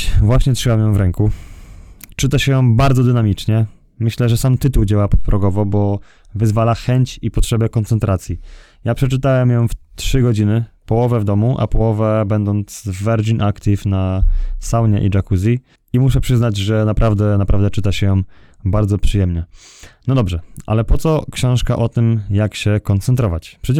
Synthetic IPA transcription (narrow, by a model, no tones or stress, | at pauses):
vwaɕɲɛt̪ʂɘwamjɔ̃w̃vɾɛŋku | t͡ʂɘt̪aɕɛjɔ̃w̃baɾd̪zɔd̪ɘnamʲit͡ʂɲɛ | mɘɕlɛʐɛsamt̪ɘt̪uwd͡ʑawapɔt̪̚pɾʔɔɡɔvɔbɔ | vɘzvalaxɛɲt͡ɕipɔtʂɛbɛkɔnt̪sɛnt̪ɾat̪sʲji | japʂɛt͡ʂɘt̪awɛmjɔ̃w̃ft̪ʂɘɡɔd͡ʑinɘpɔwɔvɛvd̪ɔmuʔa̰pɔwɔvɛbɛnd̪ɔnt̪svːɛɾd͡ʑinʔakt̪ʲifnasawɲɛ̰ʔḭd͡ʐakuzʲi | imuʂɛpʂɘznad͡ʑʐɛnapɾʔavd̪ɛnapɾavd̪ɛt͡ʂɘt̪aɕɛjɔ̃w̃ | baɾd̪zɔpʂɨjɛmɲɛnɔd̪ɔbʐɛʔa̰lɛpɔt̪sɔkɕɔ̃w̃ʂka̰ʔɔt̪ɘmjakɕɛkɔnt̪sɛnt̪ɾɔvat͡ɕpʂɛ